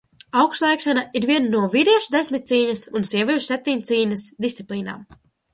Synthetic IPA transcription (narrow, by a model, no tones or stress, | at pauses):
awkst̪lˠajkʃanaiɾviɛnnuɔviɾɛɛʃud̪esʲmʲit̪̚t̪siːɲɐsunsiɛvʲiʃsep̚t̪ʲiɲt̪siːɲʲɐsd̪ist̪siplˠiːna̰ːm